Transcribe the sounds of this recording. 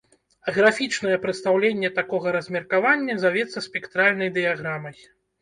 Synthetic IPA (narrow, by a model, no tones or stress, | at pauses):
ɣɾafʲit͡ʂnɐjɛpɾɨt̪st̪awlʲenʲːɛt̪akɔɣɐɾɐzʲmʲɛrkavanʲːɛzavʲɛt̪sːɐsʲpʲɛkt̪ɾalʲnɐjd̪ɨjaɣɾamɐj